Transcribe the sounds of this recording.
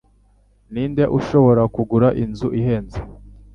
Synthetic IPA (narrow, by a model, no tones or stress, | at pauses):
niːndeʔuʃo̞βo̞ɾakuɡuɾaʔinzuʔiɦe̞ːnze